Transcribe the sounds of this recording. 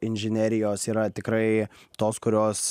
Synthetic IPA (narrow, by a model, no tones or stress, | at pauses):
ɪnʲʒʲɪnʲæːɾʲɪjoːsiːɾɐt̪ʲɪkɾɐɪt̪oːskʊɾʲoːs